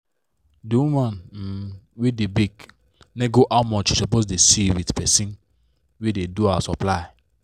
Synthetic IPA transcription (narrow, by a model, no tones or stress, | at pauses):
diwumãn̩ | wedebiɡ | neɡoʔaʊmɔt͡ʃisɔpos̬desiwidpɛsĩn | wededuawasɔplaɪ